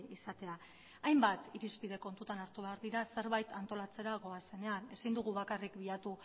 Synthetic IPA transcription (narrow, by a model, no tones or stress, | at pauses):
isat̪e̞a | ajmbat̪iɾispið̞e̞ko̞nt̪ut̪anaɾt̪uβe̞aɾðiɾase̞ɾβajt̪ant̪o̞lat͡se̞ɾaɣo̞ase̞ne̞ane̞sind̪uɣ̞uβakarikbiat̪u